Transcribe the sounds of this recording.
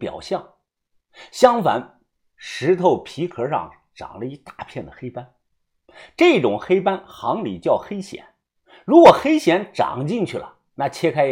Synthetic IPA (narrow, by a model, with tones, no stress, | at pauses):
pjɑ˨˩ʊɕjɑ˥˩ŋ | ɕjɑ˥ŋfa̰˧˥n | ʂɻ̩˧˥t̪ʰo˥˩ʊpʰi˧˥kʰɤ˧˥ʂɑ̰˥˩ŋ | ʈ͡ʂɑ̰˨˩ŋlə˦i˧˥t̪a˥˩˧pʰjɛ˥˩nd̪ə˩xe˥ɪpa˥n | ʈ͡ʂɤ˥˩˥ʈ͡ʂʊ˨˩ŋxe˥ɪpa˥nxɑ˧˥ŋlḭ˨˩t͡ɕjɑ˥˩ʊxe˥ɪɕjɛ̰˨˩˦n | ɻu˧˥kwɔ˨˩xe˥ɪɕjɛ˧˥nʈ͡ʂɑ̰˨˩ŋt͡ɕi˥˧ŋt͡ɕʰy˥˩lə̰˩ | na˥˩t͡ɕʰjɛ˥kʰa˥ɪ